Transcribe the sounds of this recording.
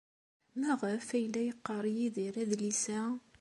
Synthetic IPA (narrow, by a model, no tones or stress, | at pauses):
mæʁəfæjəlːæjəqːəɾˤjiðiɾæðlisæ